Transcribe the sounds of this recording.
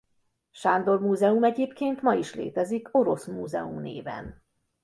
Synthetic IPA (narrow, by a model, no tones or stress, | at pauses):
ʃaːnd̪o̞rmuːzɛumɛɟeːpkeːnt̪mɒiʃlḛːt̪ɛziko̞ɾo̞smuːzɛ̰umnḛːvɛ̰n